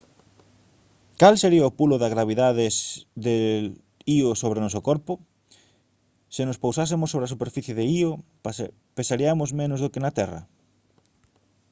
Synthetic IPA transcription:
kalseɾiɐopulʊðaɣɾaβ̞iðaðɪsðe | iosoβ̞ɾenɔs̬okɔɾpʊ | sɪnʊspowsas̬emosːoβɾeasupeɾfiθjeðeio | pesaɾiamozmẽnozðokenat̪ɛrɐ̰

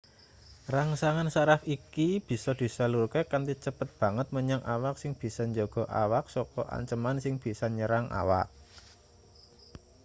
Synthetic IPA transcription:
raŋsaŋansaɾakikib̥i̤sɔd̪̥i̤saluɾkɛkant̪it͡ʃəpət̪̚b̥ä̤ŋət̪̚məɲaŋʔawaksɪŋb̥i̤sɔɲd͡ʒoɡ̥ɔ̤ʔa̰wak̚sɔkɔʔa̰ɲt͡ʃəmansɪŋb̥i̤sɔɲəɾaŋʔa̰wa̰k̚

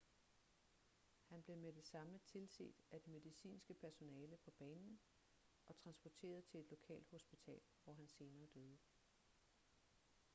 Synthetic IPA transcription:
hænb̥le̝med̥e̝sɑ̈mət͡sʰe̝lse̝̰ːd̥æd̥eme̝ðˠisḭːnsɡ̥əpʰæɐso̝nɛːləpʰɒ̽b̥ɛːnn̩ | ʔɒ̽t͡sʰʁɑ̈nsb̥ɒt͡sʰe̝̰ːɐð̞ˠt͡sʰe̝le̝d̥lo̝kʰɛ̰ːld̥ho̝sb̥it͡sʰɛ̰ːlʋɒɦænse̝ːnɐːd̥øːð̞ˠə

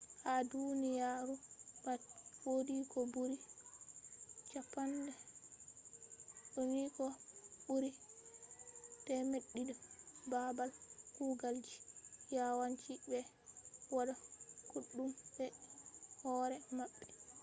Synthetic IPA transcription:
hadunijaːɾubawodikɔbuɾi | t͡ʃapːandɛ | ɗonikɔbuɾi | tɛmeɗːidɛbabalkuːɡald͡ʒijawant͡ʃibɛ | wadakuɗːumbɛhɔːɾɛmaɓːɛ

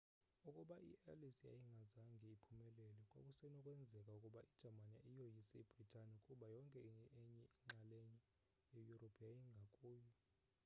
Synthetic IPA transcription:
ukʼuɓaʔḭʔɛ̰lisija̰jiŋɡʱazaŋɡʱiːpʰumɛlɛlɛkʼwa̰kʼusɛnɔkʼwɛnd͡zʱɛkʼaukʼuɓaʔid̥ʒ̥ʱamanḭʔijojisɛib̥ʱritʼanikʼuɓajɔŋkʼɛiɛɲɛiŋ͡ǁaleɲɛ | jejuropʰjajiŋɡʱakʼuːjɔ

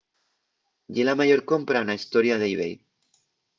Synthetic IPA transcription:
ɟ͡ʝelamaʝoɾkompɾanaist̪oɾjaðejβej

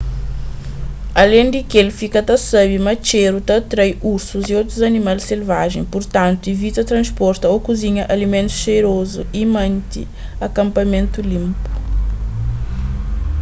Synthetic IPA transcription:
ɐlẽj̪̃d̪ikelfikɐt̪ɐsɐbimɐt͡ʃeɾut̪ɐt̪ɾajuɾsuziowt̪ɾuzɐnimalselvaʒẽj̃puɾt̪ãnt̪uivit̪ɐt̪ɾɐ̃spɔɾt̪ɐokuziɲɐʔalimẽnt̪u̥ʃejɾozuʔimɐ̃nt̪ḭ | ɐkɐ̃mpɐmẽnt̪ulĩmpu̥

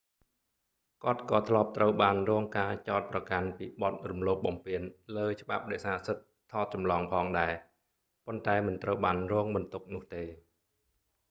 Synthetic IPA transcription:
kŏət̪̚kɑːt̪ʰlŏəp̚t̪rəwɓaːnrɔːŋkaːt͡ɕaɔt̪̚prɑkanpiːɓɑt̪̚rumloːp̚ɓɑmpiənləːt͡ɕə̆ɓap̚ɗɛɛsaːsɨt̪̚ʰːɑːt̪̚t͡ɕɑmlɑːŋpʰɑːŋɗaɛ | pont̪aɛmɨnt̪rəwɓaːnrɔːŋɓɑnt̪uk̚nʊ̆əht̪eː

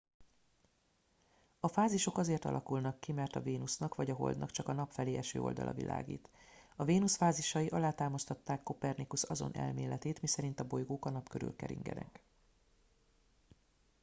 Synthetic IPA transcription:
ɒfaːziʃo̞kɒzeːrt̪ɒ̰lʔɒkulnɒkːimɛrt̪ɒveːnusnɒkʋɒɟɒɦo̞̰ld̪nɒkt͡ʃɒkɒnɒpfɛleːʔɛʃø̰ːo̞̰ld̪ɒ̰lʔɒ̰vḭlʔa̰ːɡḭːt̪ɒveːnusfaːziʃɒjiʔɒlaːt̪aːmɒst̪ɒt̪ːaːkːo̞pɛrnikusɒzo̞̰nʔɛ̰lmḛːlɛt̪eːt̪misɛɾin̪t̪ɒbo̞jɡoːkɒnɒpkøɾy̰lkɛ̰ɾḭŋɡɛ̰d̪ɛ̰k

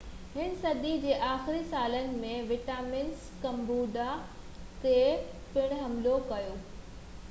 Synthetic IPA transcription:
ɦɪñsɐd̪id͡ʑeːʔaːxɪɾisaːlənɪ̆mẽʋɪʈaːmɪns | kɐ̃mbuːɖa | t̪e | pɪɽ̃ɦɐmlokɐjoː

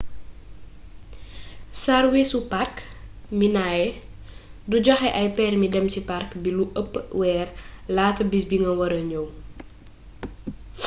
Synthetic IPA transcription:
sarwesupark | minajɛ | duɟɔxɛʔɐjpɛːrmidɛmciparkbiluʔəpːwɛːrlaːtɐbisbiŋɡɐwɐɾəɲɔw

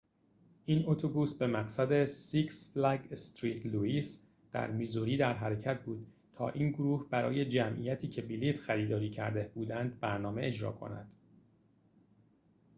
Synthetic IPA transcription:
ʔiːno̞t̪ʰobuːsbe̞mæɢsæd̪e̞siksblæɡst̪ɾiːt̪ʰluiːs | d̪̥æ̰ɾmizuɾiːd̪æɾɦæɾecʰæt̪̚ʰbuːd̪̥̚ | t̪ʰɒ̰ːʔiːnɡoɾuːhbæɾɒ̰ːje̞d͡ʒæmʔḭjæt̪ʰiːcʰe̞biliːt̪xæɾiːd̪ɒːɾiːcʰæ̰ɾd̪eb̥uːd̪ænd̪̚bæɾnɒːme̞ʔe̞d͡ʒɾɒ̰ːkʰo̞̰næ̰d̪̥

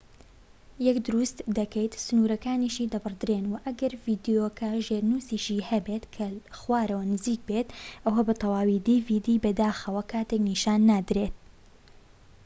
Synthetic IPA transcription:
jɛkd̪ʊɾust̪d̪ɐkɛjt̪sɨnuɾɐkaːniʃiːd̪ɐbɨrd̪ɨɾeːnwɐʔɐɡɐɾviːd̪ijokʰɐʒeːɾnusiːʃiːhɐbet̪kʰɐxwaːɾɐwɐnɨziːk̚bet̪ʔɐwabat̪ʰɐwaːwid̪iːvid̪iːbɐd̪aːxɐwɐkʰaːt̪ekniːʃaːnːaːd̪ɾeːt̪̚

